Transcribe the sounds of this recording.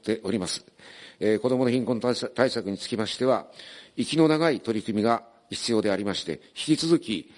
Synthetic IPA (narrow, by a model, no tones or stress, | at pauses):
t̪ːe̞ʔo̞ɾʲimasɨ̥eko̞d̪o̞mo̞no̞çʲĩŋkõ̞nt̪aisakɯ̟ɲ̟it͡sɨ̥kʲimaɕi̥t̪e̞βaikʲino̞naɡait̪o̞ɾʲikɯ̟mʲiɡa | çi̥t͡sɨjo̞ːd̪e̞aɾʲimaɕi̥t̪e̞çi̥kʲit͡sɨzɨkʲi